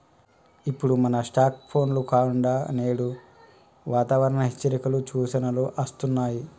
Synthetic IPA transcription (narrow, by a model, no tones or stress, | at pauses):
ipːuɽumɐnɐsʈaːk̚pʰo̞ːnlukaːkuɳɖaːneːɽu | ʋaːt̪aːʋɐɾɐɳɐɦet͡ʃːɐɾikɐlut͡ʃuːʃɐnɐloːʔɐst̪unːaːji